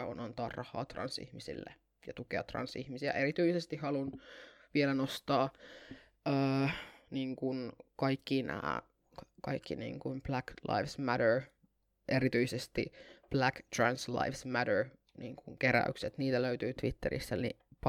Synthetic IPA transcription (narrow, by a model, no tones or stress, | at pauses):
o̰nɑnt̪ɑːrːɑhˑɑ̰ːt̪rɑ̰nsḭhmisḭlːḛ | jɑt̪ukeɑt̪rɑ̰nsihmisiæ̰ʔeɾit̪yisest̪ihɑlunʋielænost̪ɑː | niːŋkunkɑikːinæ̰ː | kɑ̰ikʰːinḭːŋkumb̥læklɑ̰iʋsmæɾəɹ | ʔeɾit̪yisest̪ḭb̥lækt̪rænslɑ̰ifsmæɾəɹ | niːŋkuŋkeɾæ̰y̰kset̪niːt̪æløyt̪yːt̪ʋit̪ːeɾḭsːænḭp